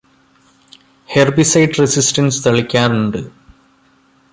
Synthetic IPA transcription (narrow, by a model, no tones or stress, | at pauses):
herbisɐjʈresistɐnsɨ̥t̪ɐɭikʲːaːnuɳɖɨ